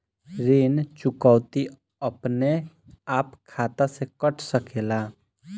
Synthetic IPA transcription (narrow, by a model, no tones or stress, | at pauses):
ɾeːnt͡ʃʊkɔːt̪i | əpne | aːpkʰaːt̪asekəʈʰsəkʰeːlaː